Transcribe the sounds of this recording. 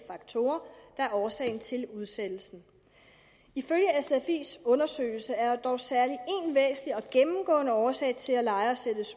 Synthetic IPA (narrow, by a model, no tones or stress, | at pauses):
fɑ̈ɡ̥̚t͡sʰo̝̰ːɐd̥ɑæɐɒːsɛ̰ːɪnt͡sʰe̝luðˠsed̥l̩sn̩ | iføljəesefe̝̰ːsɔ̽nɐsø̰ːɪl̩səæɐd̥ɒʊsæɐlie̝nʋɛːsn̩iɒ̽ɡ̥emm̩ɡ̥ɔ̰̽ːnəɒːsɛ̰ɪt͡sʰe̝lælɑ̈ɪɐsed̥əs